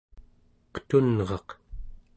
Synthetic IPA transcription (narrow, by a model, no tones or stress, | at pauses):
qə̥t̪unʁɑq